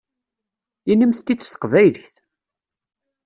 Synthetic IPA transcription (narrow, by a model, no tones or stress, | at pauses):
inəmθt̪ːit͡sːθə̥qvæjlçθ